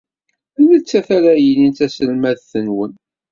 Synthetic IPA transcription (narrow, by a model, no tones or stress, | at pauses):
ælət͡sːæθæɾæjənint̪æsəlmæðθənwən